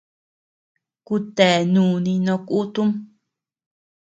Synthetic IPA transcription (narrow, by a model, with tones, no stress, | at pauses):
ku˧t̪e˨nũː˨nĩ˧nõ˧ku˦t̪u˦m